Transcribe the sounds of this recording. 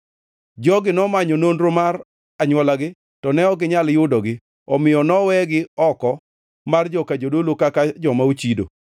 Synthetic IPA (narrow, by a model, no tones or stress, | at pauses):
d͡ʒɔɡɪnɔmaɲɔnonɾomar | aɲwɔlaɡɪ | tɔnɛɔɡɪɲaljʊdɔɡɪ | ɔmɪjɔnɔwɛɡɪɔkɔ | mard͡ʒɔkad͡ʒodolokakad͡ʒɔmaut͡ʃido̰